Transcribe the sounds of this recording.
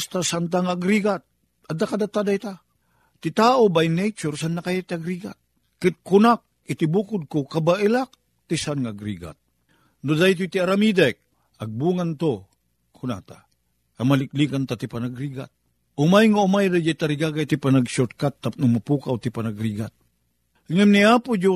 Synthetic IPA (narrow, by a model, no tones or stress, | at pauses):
st̪asant̪aŋaaɡɾiɡat̪̚ | ʔad̪akad̪at̪ad̪ajt̪a | t̪it̪aːʔobajnejt͡ʃʊɾsanːakajat̪iaɡɾiɡa̰t̪̚ | kɪt̪̚kʊnak̚ | ɪt̪ibukʊd̪̚kokabaʔɪlak̚ | t̪isanŋaaɡɾiɡa̰t̪̚ | nod̪ajt̪uit̪iaɾamid̪ɛk̚ | aɡ̚buːŋant̪o | kʰʊna̰t̪a̰ | amalɪk̚likant̪at̪ipanaɡɾiɡa̰t̪̚ | ʊmajŋaʊmajdad͡ʒajt̪aɾiɡaɡait̪ipanaɡsut̪kat̪ːap̚nʊmapuːkawt̪ipanaɡɾiɡat̪̚ | ŋɛmniaːpʊd͡ʒo